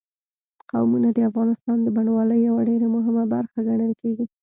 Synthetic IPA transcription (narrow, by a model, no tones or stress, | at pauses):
qa̰wmunad̪əafɣɑnɪst̪ɑnd̪əbaɳwɑləjːawaɖeɾamʊɦɪmabaɾxaɡaɳəlkeɡi